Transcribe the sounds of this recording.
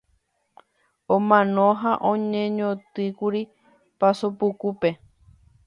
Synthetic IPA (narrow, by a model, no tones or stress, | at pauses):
õmãnõɦaʔõɲẽɲõt̪ɨkuɾi | pasopukupe